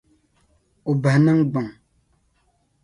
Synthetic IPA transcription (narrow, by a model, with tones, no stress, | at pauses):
u˨bə˨nə˦ŋɡ͡bə˨ŋ